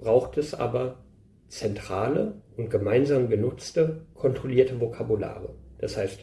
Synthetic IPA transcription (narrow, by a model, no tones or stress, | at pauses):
b̥ʁaʊxtɛsʔa̰ːbɐ | t͡sɛntʁ̥aːləʊnt̚ɡ̥əmaɪnzaːmɡənʊt͡stəkʰɔntʁ̥oliːɐtəvokʰabula̰ːʁəd̥ashaɪst